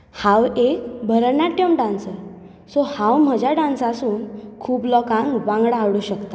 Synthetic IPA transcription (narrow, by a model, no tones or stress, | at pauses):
hãwekbʱəɾəɳaʈjəmɖãnsə | sohãwm̤əd͡ʑjaɖãnsasuːnkʰuːplɔkãŋkʋãŋɡɽaːʋɽuɕəkt̪a